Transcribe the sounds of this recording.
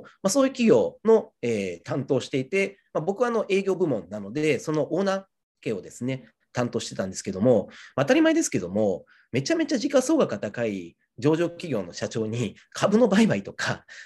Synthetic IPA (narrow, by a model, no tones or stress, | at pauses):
maso̞ːjɯ̟kʲiɡʲo̞ːno̞e̞ːt̪ãnt̪o̞ːɕi̥t̪e̞it̪e̞ | mabo̞kɯ̟βano̞ʔe̞ːɡʲo̞ːbɯ̟mõ̞nːano̞d̪e̞so̞no̞ʔo̞ːna | keːod̪e̞sɨne̞ | t̪ãnt̪oɕi̥t̪e̞t̪ãnd̪e̞sɨ̥ke̞d̪o̞mo̞maːt̪aɾʲimaid̪e̞sɨ̥ke̞d̪o̞mo̞ | me̞t͡ɕame̞t͡ɕaʑikaso̞ːɡakat̪akai | d͡ʑo̞ːʑo̞ːkʲiɡʲo̞ːno̞ɕat͡ɕo̞ːɲ̟i | kʰabɯ̟no̞baibait̪o̞ka